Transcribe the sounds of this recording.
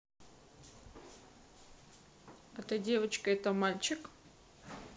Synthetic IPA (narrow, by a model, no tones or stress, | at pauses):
ɐt̪ɨdʲevət͡ɕkəɛt̪əmalʲt͡ɕɪk